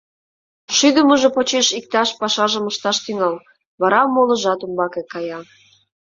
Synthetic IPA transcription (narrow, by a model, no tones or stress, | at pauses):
ʃyd̪əməʒopot͡ɕeʃik̚t̪ɑʃpɑʃɑʒəməʃt̪ɑʃt̪yŋɑl | βɑɾɑmolə̆ʒɑt̪umbɑkekɑjɑ